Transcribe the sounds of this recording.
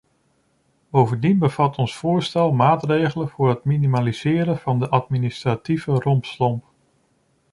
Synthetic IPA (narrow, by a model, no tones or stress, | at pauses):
b̥owvəndinbəv̥ɑtʰɔnsfʊːɹstɛlˠmaːtrejχələvʊːɹɦətminimaliz̥ɪːɾənv̥ɑndəʔɑtministrativərɔmpslɔmp